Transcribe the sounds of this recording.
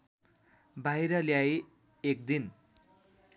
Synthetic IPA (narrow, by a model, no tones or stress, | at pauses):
bajɾʌljaj | ek̚d̪in